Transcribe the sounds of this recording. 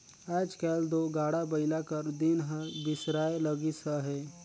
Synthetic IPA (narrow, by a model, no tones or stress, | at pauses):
ɛːd͡ʒkɛːld̪oːɡaːɽabəɪlakəɾd̪ɪnɦəbɪsɾaːeləɡisəɦɛː